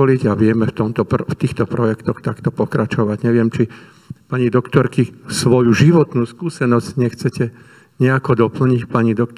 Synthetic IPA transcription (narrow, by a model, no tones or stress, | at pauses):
ɔliɟaʋɪɛmɛft̪ɔmt̪ɔpft̪iːxt̪ɔpɾɔjɛkt̪ɔxt̪akt̪ɔpɔkɾat͡ʃɔʋaɟɲɛʋɪɛmt͡ʃi | paɲid̪ɔkt̪ɔɾkisʋɔjuʒiʋɔt̪nuːskuːsɛnɔzcɲɛxt͡sɛcɛ | ɲɛakɔd̪ɔpl̩ɲicpaɲid̪ɔkt̪